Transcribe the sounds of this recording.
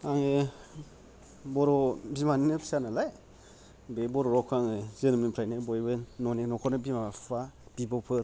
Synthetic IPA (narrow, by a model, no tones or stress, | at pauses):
aŋe | boɾobimaninepi̥sanalaj | beboɾoɾokʰaŋezenimnipʰɾajnebojβennonenokonebimafab̥ibopʰɯɾ